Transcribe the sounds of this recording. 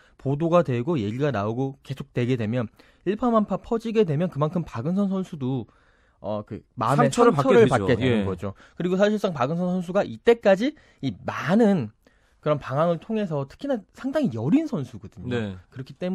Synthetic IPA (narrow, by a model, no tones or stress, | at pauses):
podoɡadwe̞ɡoje̞ɡiɡanaoɡoke̞sʰok̚t͈we̞ɡe̞dwe̞mjʌn | iɭpʰamanpʰapʰʌd͡ʑiɡe̞dwe̞mjʌnkɯmankʰɯmpaɡɯns̬ʰʌns̬ʰʌnsʰudo | ʌ̰kɯ̰maɯmet͡ɕʰɾpt͡ɕʰʌɾɯɭpaednɡʌd͡ʑo | kɯɾiɡosʰaɕʰiɭs͈aŋpaɡɯnsʰʌnsʰʌns̬ʰuɡaʔit͈e̞k͈ad͡ʑi | imanɯn | kɯɾʌnpaŋaŋɯɭtʰoŋe̞sʰʌtʰɯ̥kʰinasʰaŋdaŋijʌɾinsʰʌnsʰuɡʌdɯɲokɯɾʌkʰit͈e̞m